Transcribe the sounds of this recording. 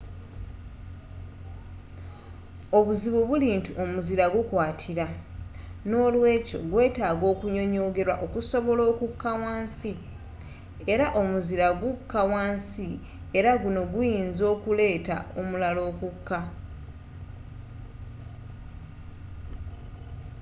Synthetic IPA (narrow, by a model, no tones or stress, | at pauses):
o̞βuziβuβuliːntuʔo̞muziɾaɡukwaːtʰiɾa | no̞ːlwe̞ːco̰ɡwe̞ːtaːɡo̞ːkuɲo̞ɲo̞ːɡe̞ɾwa̰ʔo̞kuso̞βo̞lo̞ːkukːawaːnsi | e̞ɾaʔo̞muziɾaɡukːawaːnsi | e̞ɾaɡuno̞ɡujiːnzo̞ːkule̞ːta̰omulalo̞ːkukːa